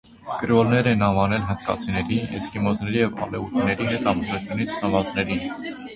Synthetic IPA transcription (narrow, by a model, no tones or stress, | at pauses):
kəɾɔlnɛɾɛnɑvɑnɛlɦənt̪kɑ̰t͡sʰinɛɾiɛskimɔznɛɾijɛvɑ̰lɛvut̪ʰinɛɾiɦɛt̪ɑməzut͡sʰjunit͡sʰsɑmɑt͡snɛɾin